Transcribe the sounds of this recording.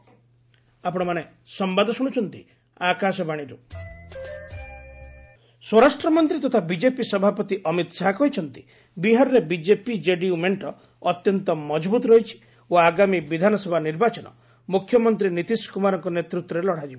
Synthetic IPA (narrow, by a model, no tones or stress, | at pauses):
apɔɽ̃ɔmane | sɔmbad̪ʱɔsuɽ̃ut͡ʃʰɔnt̪i | akasɔbaɽ̃iɾu | swɔɾasʈɾɔmɔnt̪ɾit̪ɔt̪ʰabid͡ʒepisɔbʱapɔt̪iʔɔmit̪saɦakɔɦit͡ʃʰɔnt̪i̥ | biɦaɾɔɾebid͡ʒepid͡ʒeɖiumeɳʈɔː | t̪jɔnt̪ɔmɔd͡ʒbut̪ɾɔɦit͡ʃʰi̥ | oaɡamibid̪ʱanɔsɔbʱaniɾbat͡ʃɔnɔ̰ | mukʰjɔmɔnt̪ɾinit̪iskumaɾɔŋkɔnet̪ɾut̪wɾɔɾelɔɽ̤ad͡ʒibɔ